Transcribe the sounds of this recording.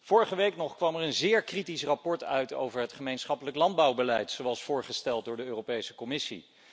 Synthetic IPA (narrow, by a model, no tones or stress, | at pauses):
v̥ʊːɹəχəʋejknɔχkʋɑmɛɹənzɪːɹkritisrɑpɔɹtœ̰ɥto̰wvəɹɦətχəmejnsχɑpələklɑnd̚bɑwbəlɛjtsowɑlˠsfʊːɹχəstɛlˠt̚dʊːɹdəøːrowpejsə̥kɔmɪsḭ